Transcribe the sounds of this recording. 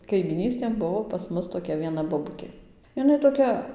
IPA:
kɐɪmʲiːˈnʲiːsʲtʲeːn ˈbʊʋoː pɐs ˈmʊs toːˈkʲɛ ʋʲiɛˈnɐ boːˈbʊkʲeː ɪˈnɐɪ toːˈkʲɛ

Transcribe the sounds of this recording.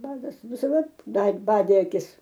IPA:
ˈʋɐrɡɐs ʋʲɪsɐˈdɐ ˈbɐt ˈbɑːdʲeː ɐˈkʲɪs

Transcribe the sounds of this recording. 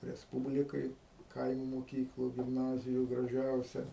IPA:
rʲɛsˈpuːbʲlʲɪkɐj ˈkɐɪmʊ moːˈkʲiːklˠʊ ɡʲɪmˈnɑːzʲɪjʊ ɡrɐˈʒʲɛʊsʲɛ

